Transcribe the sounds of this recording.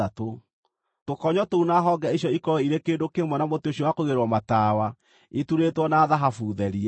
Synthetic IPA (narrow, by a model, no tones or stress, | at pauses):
ato | tokɔɲɔtounaɦɔɡɛaiʃjɔikɔiɾekeːndokemwɔnamotioɕ̬ɔwakoɣeɾwɔmataːwa | etuɾetwɔnaːðaɦafuːðɛɾi